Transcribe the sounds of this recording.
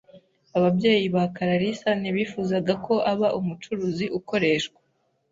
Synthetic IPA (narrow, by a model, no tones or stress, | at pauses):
aβabje̞ːjiβakaɾaɾisaniβiːfuːzaɡako̞ʔaβaʔumut͡ʃuɾuːziʔuko̞ɾe̞ʃkwḁ